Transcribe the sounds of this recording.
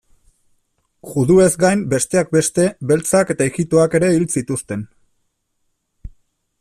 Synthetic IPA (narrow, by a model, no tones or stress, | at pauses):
ʝuðue̞zɡajmbe̞st̪e̞ak̚be̞st̪e̞βe̞lt͡sake̞t̪aeɣit̪o̞ake̞ɾe̞ilt͡sit̪ust̪e̞n